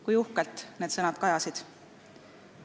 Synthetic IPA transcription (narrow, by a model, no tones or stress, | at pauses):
kujuhkelt̪ˑne̞ːd̪sɤnɑd̪̥kɑjɑsid̪̥